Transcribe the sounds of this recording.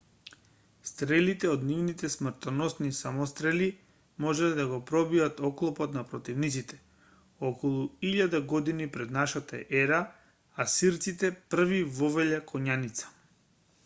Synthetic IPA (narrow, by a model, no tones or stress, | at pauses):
st̪ɾɛlit̪ɛod̪nivnit̪ɛsmr̩t̪ɔnɔsnisamɔst̪ɾɛli | mɔʒɛlɛd̪aɡɔpɾɔbiat̪ɔklˠɔpɔt̪napɾɔt̪ivnit̪sit̪ɛ̥ | ɔkɔlˠuiʎad̪aɡɔd̪inipɾɛd̪naʃat̪aʔɛɾa | asiɾt̪sit̪ɛpr̩vivɔvɛʎakʰɔɲanit̪sḁ